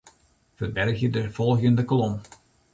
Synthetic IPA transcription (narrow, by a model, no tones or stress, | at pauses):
fəbɛrxjədəfɔlˠxjəndəkolɔm